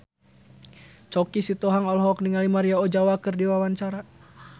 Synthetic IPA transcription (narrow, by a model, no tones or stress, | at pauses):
t͡ʃɔkisit̪ɔɦaŋɔlɦɔk̚niŋalimaɾiaɔd͡ʒawakɨrdiwawaɲt͡ʃaɾa